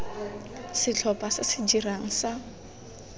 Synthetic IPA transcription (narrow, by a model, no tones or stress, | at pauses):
sɪt͡ɬʰɔpʼasɪsɪd͡ʒiraŋ̩sa